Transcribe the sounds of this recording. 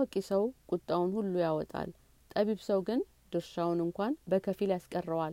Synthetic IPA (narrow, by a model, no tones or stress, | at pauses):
ɔkʼːisəwkʼʊt̪ʼːawʊnhulːujawɔt̪ʼa̰l | t̪ʼəβiβsəwɡɨn | d̪ɨɾʃawnɨŋkʷanbəkʰəfiljaskʼərːəwal